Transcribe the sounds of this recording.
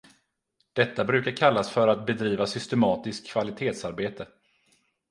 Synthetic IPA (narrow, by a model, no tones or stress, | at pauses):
d̪̥ɛt̪ːabɾʉ̟ːkaɾkʰalːasfœɾat̪̚bɛd̪ɾiːvasʏst̪ɛmɑːt̪ɪskʰːvalɪt̪ʰeːt̪saɾbeːt̪ə